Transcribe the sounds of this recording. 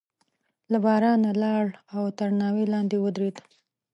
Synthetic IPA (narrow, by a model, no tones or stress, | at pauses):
labɑɾɑnalɑɭawt̪aɾnɑwelɑnd̪ewəd̪ɾed̪